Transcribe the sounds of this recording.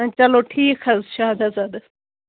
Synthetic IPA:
t͡ʃɐloʈʰiːkʰhɐzʃaːd̪ɐzad̪ɐs

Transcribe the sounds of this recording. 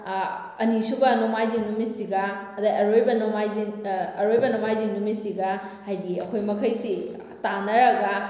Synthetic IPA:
ɐnisubɐnomajziŋnumisiɡɐːdɐʔɐɾojbɐnomajziŋɐɾojbɐnomajziŋumisiɡɐ | hajbiɐkʰojmɐkʰɐjsi | tanɐɾɐɡɐ

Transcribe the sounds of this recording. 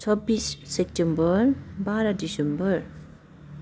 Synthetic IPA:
t͡sʰɔbisːep̚tembʌɾbaɾadisembʌɾ

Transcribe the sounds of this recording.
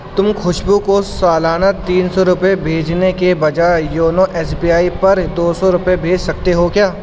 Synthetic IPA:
t̪ʊmxʰʊʃbukosaːlaːnat̪iːnsɔɾʊpebʱeːd͡ʒnekebɐd͡ʒaːjoːnoʔɛːsbiːjaːipɐɾd̪oːsɔɾʊpebʱeːd͡ʒsɐkt̪eɦokjaː

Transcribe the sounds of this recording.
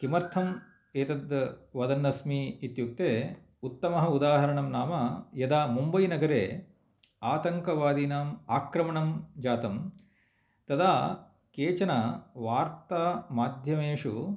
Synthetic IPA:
kimɐɾt̪ʰɐm | eːt̪ɐd̪ʋɐd̪ɐnːɐsmiːit̪juk̚t̪eː | ut̪ːɐmɐɦɐud̪aːɦɐɾɐɳɐmnaːmɐjɐd̪aːmumbɐjnɐɡɐɾḛː | aːt̪ɐŋkɐʋaːd̪inaːmaːkɾɐmɐɳɐmd͡ʒaːt̪ɐm | t̪ɐd̪aː | keːt͡ʃɐnɐʋaːɾt̪aːmaːd̪ʱjɐmeːʂu

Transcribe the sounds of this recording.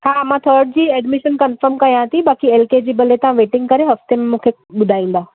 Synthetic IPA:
ɦaːmãːt̪ʰɔːɾɖ̚d͡ʑiːɛːɖmɪʃənkɐnfəɾmkɐjãːt̪ʰĩɓaːkieːlked͡ʑiːbɐleːʈãʋeːʈɪ̃ŋɡkɐɾeɦɐft̪emẽmũːkʰe | ɓʊd̪ʱaːĩːnd̪aː

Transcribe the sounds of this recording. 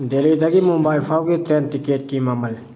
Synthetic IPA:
d̪eliːd̪əɡiːmʊmbaːɪlfaːwɡit̪ɾeːnʈɪkeːʈ̚kiːmaːməl

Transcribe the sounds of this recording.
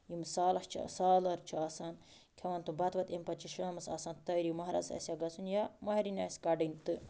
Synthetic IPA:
jimsaːlɐht͡ʃʰsaːlɐɾt͡ʃʰiɐːsaːn | kʰeʋɐnt̪ubɐt̪ʋɐt̪empɐt͡ʃʰiʃɐːmɨsɐ̰ːsaːnt̪ɐɾimɐɦɾɐ̰sɐ̰sʲjaɡɐsunjamɐɦiɾinʲaːsʲkɐɖinʲt̪ɨ

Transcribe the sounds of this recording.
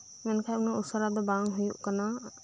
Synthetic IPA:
mɛnkʰajunaʔusaɾad̪ɔbaŋɦujuʔkana

